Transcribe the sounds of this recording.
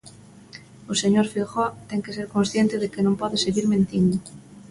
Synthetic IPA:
oseɲoɾfilxot̪eŋkes̬eɾkonsθjent̪eðekenõmpɔðeseɣiɾmẽnt̪ind̪o

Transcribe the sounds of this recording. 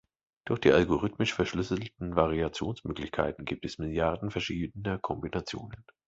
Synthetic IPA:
d̥ʊɐçd̥iːʔalɡoʁ̞ʏtmɪʃfɛɐʃlʏsl̩tn̩vaʁ̞iat͡sjoːnsmøːklɪçkʰa̰ɪtn̩ɡiːp̚tɛsmɪljaɐdn̩fɛɐʃiːdənɐkʰɔmbinat͡sjo̰ːnən

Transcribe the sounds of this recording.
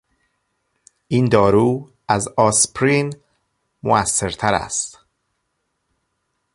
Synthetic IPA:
ʔiːnd̪ɒːɾuː | æzɒːspɾin | mo̰æsːeɾt̪ʰæɾæ̰st̪

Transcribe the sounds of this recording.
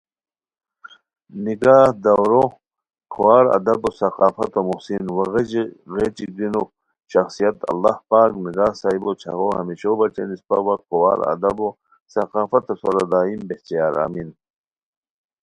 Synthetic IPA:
niɡaːhd̪ɐwɾo | kʰowaːɾɐ̰d̪ɐbosɐqaːfɐt̪omuhsinwɐɣed͡ʑiɣet͡ʃiɡ̚d̪ino | ɕɐxsijɐt̪ɐ̰lːahpaːkniɡaːhsaːibot͡ɕʰɐ̰ɣohɐ̰miɕobɐt͡ɕḛnispɐ̰wɐqowa̰ːɾɐ̰d̪ɐbo | sɐqaːfɐt̪ɐsoɾad̪aːimbeht̪ijaːɾa̰ːmin

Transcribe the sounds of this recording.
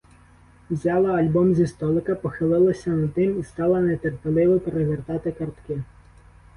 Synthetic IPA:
wzʲɑlˠɐɐlʲbɔmzʲist̪ɔlˠɪkɐpɔxɪlˠɪlˠɐsʲɐnɐd̪nɪmist̪ɑlˠɐnet̪erpʲelˠɪʋɐpeɾeʋert̪ɑt̪ɪkɐrt̪kɪ

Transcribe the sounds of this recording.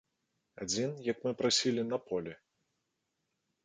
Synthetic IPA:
a̰d͡zʲinjɐkmɨpɾasʲilʲinɐpʰɔlʲɛ

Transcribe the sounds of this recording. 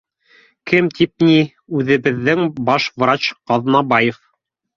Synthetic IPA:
kɘmt̪ʰip̚ni | ʉðɘ̆βɘ̆ðːɘŋbɑʃvrat͡ɕqɑðnɑbɑjef

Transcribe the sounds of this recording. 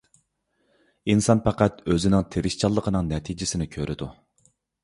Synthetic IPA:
insɑnpɑqæt̪øzɪnɪŋt̪ʰeɾɪʃt͡ʃʰɑlˠːəqʰənɨŋnɛt̪ʰid͡ʒɪsɪnɪkʲʰøɾʔɪd̪u

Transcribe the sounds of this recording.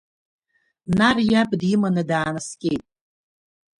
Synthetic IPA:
narjabʼdimanɨdaːnɨskʲʼe̞jtʼ

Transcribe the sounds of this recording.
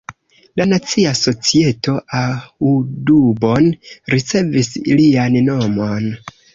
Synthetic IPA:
lanat͡siaso̞t͡sie̞tʰo̞ʔaudubo̞nɾit͡se̞vislianno̞mo̞n

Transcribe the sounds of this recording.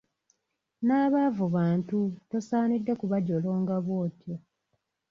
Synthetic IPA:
naːβavuβaːntutosaːnidːekuβaɟoloːŋɡaβwoːtjo

